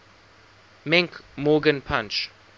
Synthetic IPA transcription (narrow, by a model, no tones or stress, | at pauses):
mɛ̃ŋkmɔːɡə̃npʰãnt͡ʃ